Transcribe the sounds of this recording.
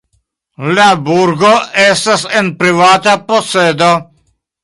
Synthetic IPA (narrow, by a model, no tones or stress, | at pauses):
labuɾɡoest̪asenpɾivaːt̪aposːeːd̪a